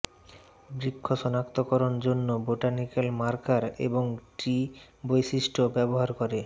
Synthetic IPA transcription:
bɾikʰːoʃɔnakt̪okɔɾond͡ʑonːoboʈanikelmaɾkaɾḛboŋʈɾi | bojʃiʃʈʰobɛboɦaɾkɔɾe

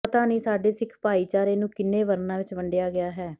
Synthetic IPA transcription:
ət̪aːniːsaːɖeːsɪkʰpaːiːt͡ʃaːɾeːnũːkɪnːẽːʋəɾnãːʋɪt͡ʃʋəɳɖɪjaːɡɪaːɦɛː

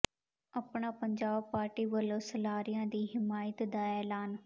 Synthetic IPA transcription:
əpɳ̃aːpəɲd͡ʒaːbpaːɾʈiːʋəlõːsəlaːɾijãːd̪iːɦɪmaːjət̪d̪aːɛːlaːn

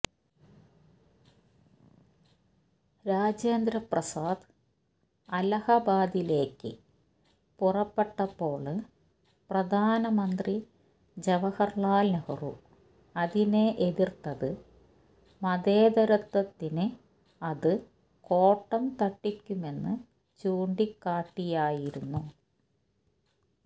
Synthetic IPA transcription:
ɾaːd͡ʑeːnd̪ɾɐprɐsaːd̪ | ɐlɐhɐbaːd̪ile̞ːkːɨ | purɐpːeʈːɐpːo̞ːɭɨ | prɐd̪ʱaːnɐmɐnd̪ri | d͡ʑeʋɐhɐrɭaːlnɐhɐru | ɐðineʔeðirt̪ːɐðɨ | mɐd̪eːd̪ɐɾɐt̪ːɐt̪ːinɨ | ɐðɨ | ko̞ːʈːɐmt̪ɐʈːikʲːume̞nːɨ | t͡ɕuːɳɖikːaːʈːijaːjiɾunːu

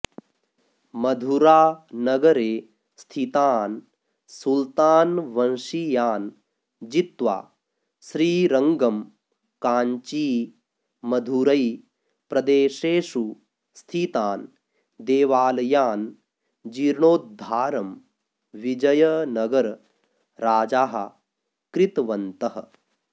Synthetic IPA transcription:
mɐd̪ʱuɾaːnɐɡɐɾeː | st̪ʰit̪aːn | sult̪aːnʋɐnʃijaːn | d͡ʒit̪ʋa̰ː | sɾiːɾɐŋɡɐm | kaːɲt͡ʃiː | mɐd̪ʱuɾɐj | pɾɐd̪eːʃeːʃu | st̪ʰit̪aːn | d̪eːʋaːlɐjaːn | d͡ʒiːɾɳoːt̪̚d̪ʱaːɾɐm | ʋid͡ʒɐjɐnɐɡɐɾ | ɾaːd͡ʒaːɦɐ̰ | kɾɪt̪ʋɐnt̪ɐɦɐ̰

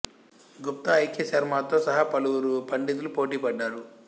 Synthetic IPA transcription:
ɡup̚t̪ɐːjkjɐsɐɾmaːt̪o̞ːsɐɦapɐluwuɾupɐɳɖid̪ulupoːʈiːpɐɖːaːɾu

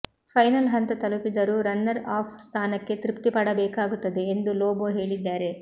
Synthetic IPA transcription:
pʰɐjnɐlɦɐnt̪ɐt̪ɐlupid̪ɐɾuːɾɐnːɐɾaːpʰst̪ʰaːnɐkːe̞t̪ɾipt̪ipɐɽɐbɛːkaːɡut̪ːɐd̪e̞ːnd̪uloːboːɦe̞ːɭid̪ːaːɾe̞

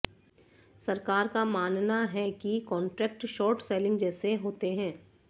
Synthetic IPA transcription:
sɐɾkaːɾkamaːnnaɦɛkikɔ̃ːɳʈɾɛːk̚ʈʃɔːɾʈsɛːlɪ̃ŋɡd͡ʒɛːseɦoːt̪eɦɛ̃ː

